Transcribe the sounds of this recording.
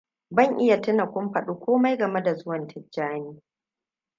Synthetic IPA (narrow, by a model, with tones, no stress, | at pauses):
bɐ˦˨ŋʔɪ˦ja˨tɪ˦na˨kʷʊ˦mɸɐ˨ɗuː˦kʷoː˦ma˦jɡɐ˨me˦da˨zʊ˦wɐ˨ntʰɪ˦d͡ʒːaː˦niː˦